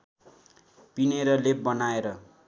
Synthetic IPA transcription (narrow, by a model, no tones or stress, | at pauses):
pineɾʌlebʌnaeɾʌ